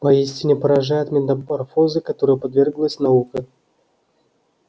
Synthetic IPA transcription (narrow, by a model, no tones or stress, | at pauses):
pɐisʲtʲɪnʲɪpəɾɐʐajʊt̪mʲɪt̪ɐpɐrfozɨkɐt̪oɾɨjəpɐd̪vʲerɡlˠəsʲnɐukə